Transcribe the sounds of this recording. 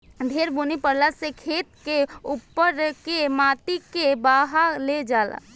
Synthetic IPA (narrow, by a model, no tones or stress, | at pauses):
d̪ʱeːɾbonipəɽlasekʰeːt̪̚keupːəɾkemaːt̪ikebaːɦaled͡ʒaːla̰